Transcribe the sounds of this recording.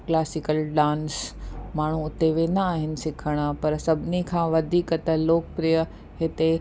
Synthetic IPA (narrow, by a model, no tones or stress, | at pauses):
klaːsɪkəlɖãːnsmaːɳ̤̃uʊt̪eʋẽːnaaːɦɪnɪ̆sɪkʰəɽ̃əpɐɾsɐbʱɪnikʰãːʋɐd̪ʱiːkət̪ɐloːkpɾiːjə | ɦɪt̪e